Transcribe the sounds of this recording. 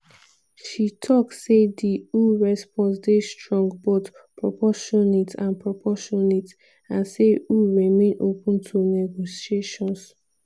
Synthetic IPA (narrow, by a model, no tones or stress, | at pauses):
ʃitʰɔksediuɹɛspɔ̃nsdestɹɔ̃ŋɡbotpʰɹɔpʰɔʃɔnitʰãnpʰɹɔpʰɔʃɔnit | ãnseuɹimẽnʔo̰pũntʰunɛɡosieʃɔ̃ns